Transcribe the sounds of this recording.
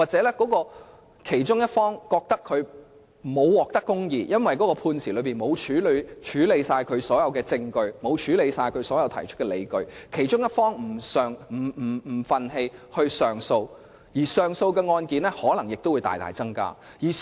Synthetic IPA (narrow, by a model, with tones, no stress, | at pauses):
waː˨t̚t͡sɛː˨˥lɛ˥kɔː˨˥kɔː˧ | kʰe˨˩jt͡ʃʊ˥ŋjɐ˥t̚fɔː˥ŋkɔː˧k̚t̪ɐ˥kʰːɵ˨˧ɥ | mo˨˧wwɔː˨k̚t̪ɐ˥kːʊ˥ŋjiː˨˧jɐ˥nwɐ˨jkɔ˨˦˥kɔː˧pʰuː˧nsʰiː˨lɵ˨˧ɥpiː˨˩nmo˨˧wt͡ʃʰyː˨˥lt͡ʃʰyː˨˥le˨˧jsaː˧jkʰɵ˨˧ɥsɔː˨˥jɐ˨˧wkɛː˧t͡sɪ˧ŋkɵ˧ɥmo˨˧wt͡ʃʰyː˨˥le˨˧jsaː˧jkʰɵ˨˧ɥsɔː˨˥jɐ˨˧wt̪ʰɐ˨˩jt͡ʃʰɵ˥t̚kɛ˧le˨˧jkɵ˧ɥkʰe˨˩jt͡ʃʊ˥ŋjɐ˥t̚fɔː˥ŋm̩˨˩sœː˨ŋm̩˨˩m̩˨˩m̩˨˩fɐ˨nɦe˧jhɵ˧ɥsœː˨ŋso˧w | jiː˨˩sœː˨˩ŋso˧wkɛː˧ŋɔː˧nkiː˨˧nɛ˥hɔː˨˥lɐ˨˩ŋjɪ˨k̚t̪o˥wu˨˧jt̪a̰ː˨jt̪a̰ː˨jt͡sɐ˥ŋka̰ː˥ | jiː˨˩